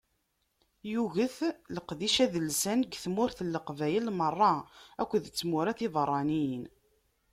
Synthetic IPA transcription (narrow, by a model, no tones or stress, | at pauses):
juɣəθləqðiʃæðəlsænɡθmʊɾθəlːəqvæjəlmərˤːɑækʷːəðt͡sːmʊɾæθiðərˤːɑnin